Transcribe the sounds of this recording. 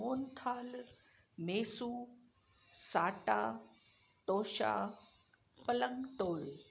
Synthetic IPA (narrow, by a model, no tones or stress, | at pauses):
oːnt̪ʰaːl | meːsuː | saːʈa | t̪oːɕa̰ː | pələŋɡt̪oːl